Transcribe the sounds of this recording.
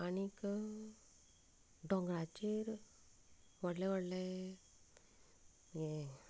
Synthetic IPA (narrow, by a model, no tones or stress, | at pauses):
anik | ɖɔ̃ŋɡɾat͡ɕeɾ | ʋəɽleʋəɽle | je